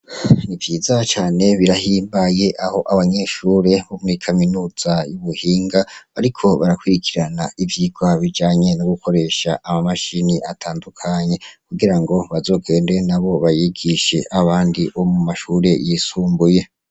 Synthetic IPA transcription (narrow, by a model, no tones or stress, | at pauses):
nivjiːzat͡ʃaːne̞βiɾahiːmbaje̞ʔaho̞ʔaβaɲe̞ːʃuːɾe̞βomŋiːkʰaminuːz̥ajuβuhiːŋɡaβa̰ɾikʰo̞βaɾakwiɾikʰiɾanaivjiːɡwaβid͡ʒaːɲe̞noɡukʰo̞ɾe̞ʃaʔːmamaʃiniʔatʰaːndukʰaɲe̞kuɡiɾaŋɡo̞βazo̞ːɡe̞ːndenaβo̞βajiɡiʃe̞ʔaβaːndiβomumaʃuɾe̞jisuːmbuje̞